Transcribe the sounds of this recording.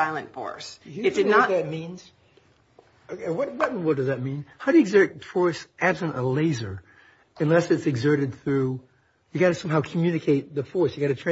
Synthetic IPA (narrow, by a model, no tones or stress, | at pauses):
aɪlˠə̰̃ntfɔ̰ɹsɨd̥ɨʌðɨt̚mĩnz̥ | wʌt̚wʌt̚wʌd̥ʌzðɨt̚mĩnhaʊɾɨɨɡzɜ˞t̚fɔɹsʔæb̥sɨ̃ntəleɪzə˞ | ɨ̃nlɛsɨtsɨɡzɜ˞ɾɨd̪̚θɹʉ | jɨɡɑɾɨsʌ̃mɦaʊkʰmjʉnɨkʰeɪt̪̚ðɨfɔɹsjɨɡɑɾɨtʰɹ̥æ̃